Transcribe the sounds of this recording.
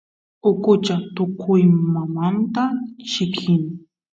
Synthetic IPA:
ʊkʼʊt͡ʃat̪ʊkʰʊjmamant̪at͡ʃɪkʰɪn

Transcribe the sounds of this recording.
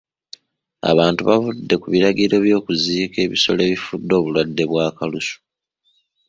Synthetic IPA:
a̰βaːntuβavudːe̞kuβiɾaɡiɾe̞ːβjo̞ːkuziːke̞ːβiso̞le̞ːβifudːo̞ːβulwadːe̞βwaːkalusu̥

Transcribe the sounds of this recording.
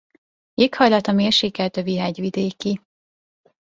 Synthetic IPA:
ekhɒjlɒt̪ɒmeːrʃeːkɛlt̪øviɦɛɟʋid̪eːki

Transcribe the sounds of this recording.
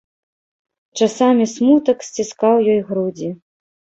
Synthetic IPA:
t͡ʂasamʲismut̪ɐksʲt͡sʲiskawjɔjɣɾud͡zʲi

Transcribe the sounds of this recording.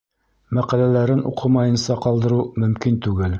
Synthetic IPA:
mæqælælæɾɘnṵqʰɤmɑjɤ̆nsɑqɑlˠd̪ɤ̆ɾumɵ̆mkint̪ʉɡɘl

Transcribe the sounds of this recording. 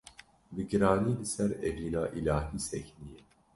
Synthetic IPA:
bɨɡɨɾɑːniːlɨsɛɾɛviːnaːʔilaːɦiːsɛçnijɛ

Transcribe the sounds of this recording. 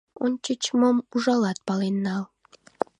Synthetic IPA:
onʲt͡ɕət͡ɕmomuʒɑlɑt̪̚pɑlenːɑl

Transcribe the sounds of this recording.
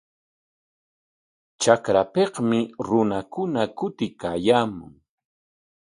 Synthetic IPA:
t͡ʃakɾapehmɪɾʊnakʊnakʊt̪ɪkaːjaːmʊ̰ŋ

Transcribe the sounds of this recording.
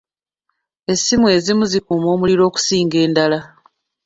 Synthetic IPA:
e̞simwe̞ːzimuzikuːmo̞ːmuliɾo̞ːku̥siːŋɡe̞ːndala

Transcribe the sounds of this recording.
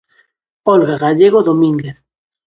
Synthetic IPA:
olɣaɣaʎeɣoðomĩŋɡeθ

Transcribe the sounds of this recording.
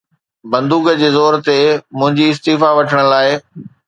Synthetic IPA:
bɐ̃nd̪uːɡəd͡ʑeːzɔːɾt̪emʊ̃ɦɪ̃ɲd͡ʑiɪs̬t̪iːfaʋɐʈʰəɽ̃laːɪ

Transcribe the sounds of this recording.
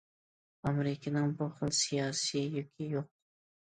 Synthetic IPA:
ɑmeɾɪkʲʰɪnɪŋbuχəlˠsijɑːsijɪjykʲʰijoq̚

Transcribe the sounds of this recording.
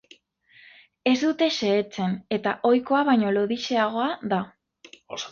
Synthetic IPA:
e̞zd̪ut̪e̞ʃe̞ːt͡se̞ne̞t̪aʔo̞jko̞aβajɲo̞lo̞ðiʃe̞aɣo̞aða

